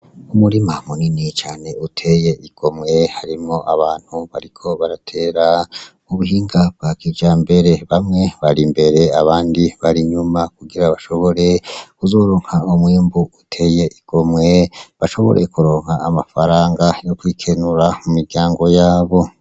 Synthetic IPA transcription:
umuɾimamuninit͡ʃaːne̞utʰe̞je̞ʔiɡ̥o̞mŋe̞haɾimŋo̞ʔaβaːn̥huβaɾikʰo̞βaɾatʰe̞ːɾa | uβuhiːŋɡab̥ɡakid͡ʒambe̞ɾe̞βamŋe̞βaɾimbe̞ɾe̞aβaːndiβaɾiɲumakuɡiɾaβaʃo̞βo̞ɾe̞kuzo̞ːɾo̞ːŋ̥haomwiːmbuutʰe̞je̞ʔiɡ̥o̞mŋe̞βaʃo̞βo̞̰ɾʔḛkuɾo̞ːŋ̥haːmafaɾaːŋɡajo̞kwiːkʰe̞nuɾamumiɾɟaːŋɡo̞jaːβo̞

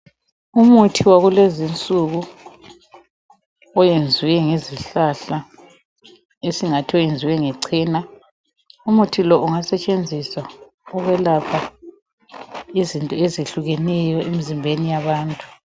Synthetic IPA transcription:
umutʰiwaɣulezint͡sʼuɣu | ɔjend͡zʱiwɛŋeziɬaɬa | esiŋatʰiɔjend͡zʱiwɛŋɛǀʰiːna | umutʰilɔʔuŋasɛt͡ʃʼend͡zʱisa | ɔɣwɛlapʰa | izintʼɔezeɬuɣɛnɛjɔemizimbʱenijaβaːntʼu

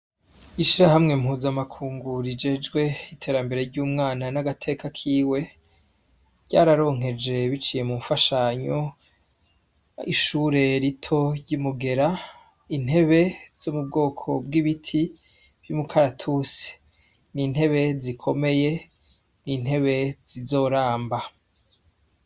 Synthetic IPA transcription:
iʃiɾahamŋe̞mɦuːzamakʰuːŋɡuɾid͡ʒe̞d͡ʒɡwe̞itʰe̞ːɾambe̞ɾe̞ɾɟuːmŋaːnanaɡatʰe̞kakʰiːwe̞ | ɾɟa̰ːɾaɾo̞ːŋ̥ɦe̞d͡ʒe̞βit͡ʃije̞mufaʃaɲo̞ | ḭʃuːɾe̞ɾitʰo̞ɾɟumuɡe̞ɾa | in̥he̞βe̞z̥omub̚ɡo̞ːkʰo̞̰b̚ɡiβitʰi | b̥jumukʰaɾatʰuse̥ | nin̥he̞βe̞zikʰo̞me̞je̞ | nin̥he̞βe̞z̥izo̞ːɾaːmba

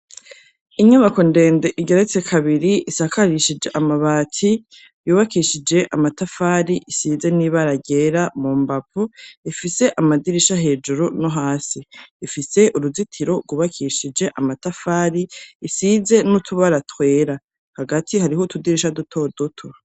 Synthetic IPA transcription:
iɲaβako̞nde̞ːnde̞ʔiɡe̞ɾet͡se̞kʰaβiɾiʔisakaɾiʃid͡ʒe̞ʔamaβaːtʰi | juːβakiʃid͡ʒe̞ʔamatafaːɾiʔisiːze̞niβaɾaɟe̞ɾamumbapuifise̞ʔamadiɾiʃaɦe̞ːd͡ʒuɾuno̞ɦaːsiːfise̞ʔuɾuzitʰiɾo̞ɡwuːβakʰiʃid͡ʒe̞ʔamatafaːɾiːsize̞nutʰuβaɾatwe̞ːɾa | haɡatʰihaɾiɦotudiɾiʃadutʰo̞dotʰo

